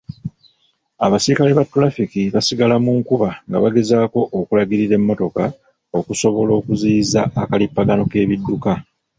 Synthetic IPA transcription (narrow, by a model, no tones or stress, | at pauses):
aβasiɾikale̞βatːoɾafikiβasiɡalamuŋkuβaŋɡa̰βaɡe̞zaːko̞ʔːkulaɡiɾiɾe̞mːo̞to̞ka | o̞kuso̞βo̞lo̞ːkuziːzaːkalipːaɡano̞ke̞ːβidːuka